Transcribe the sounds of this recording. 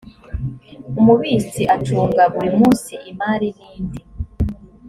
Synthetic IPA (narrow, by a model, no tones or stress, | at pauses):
umuβiːsiʔatuːŋɡaɡwimuːnsiʔimaːɾiniːndi